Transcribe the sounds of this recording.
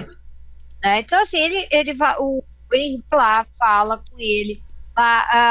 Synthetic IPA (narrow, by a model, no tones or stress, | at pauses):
nɛẽt̪ɐ̃w̃asĩelɪʔelɪvaʔʊ | ẽhblafalɐkõelɪlaa